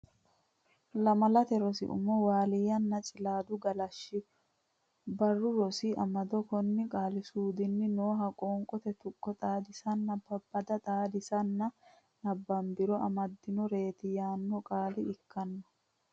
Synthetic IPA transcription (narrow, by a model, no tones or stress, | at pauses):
lɐmɐlɐt̪ɛɾɔsɪ̰ʔʊ̰mɔwaːlɪjɐnːɐt͡ʃʼɪlaːd̪ʊɡɐlɐʃːɪ | bɐrːʊɾɔsɪɐmɐd̪ɔkɔnːɪkʼaːlɪsuːd̪ɪnːɪnoːɦɐkʼɔːŋkʼɔt̪ɛt̪ʊkʼːɔt̪ʼaːd̪ɪsɐnːɐbɐbːɐd̪ɐt̪ʼaːd̪ɪsɐnːɐ | nɐbːɐmbɪɾɔʔɐmɐd̪ːɪnɔɾe̞ːt̪ɪjaːnːɔkʼaːlɪɪkːɐnːɔ̥